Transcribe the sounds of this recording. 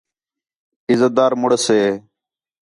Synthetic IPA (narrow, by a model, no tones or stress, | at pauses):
ɪzəd̪aːɾmʊɽəseː